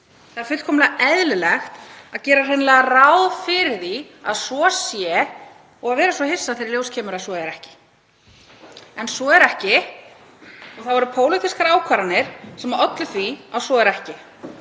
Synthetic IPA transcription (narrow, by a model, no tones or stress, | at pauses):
θaaɾfɪt̪kʰɔːmlaaʔɛðlɪlɛxt̪aðcɛːɾar̥ɪjnlɛːɣarawðfɪɾði | a̰ðsvɔsjɛ | ɔɣaðvɛːɾasvɔhɪsːaðθeɪɾɪljowscʰɛːmʏɾasvɔɛɾɛhcɪ̥ | ɛnsɔɛɾɛhcɪ | ɔɣθawvɔɾʏpʰoːwlɪt̪ʰɪskaɾaːwkʰvaɾanːɪɾ̥sɛmaœt̪lʏθviawsvɔɛɾɛhcɪ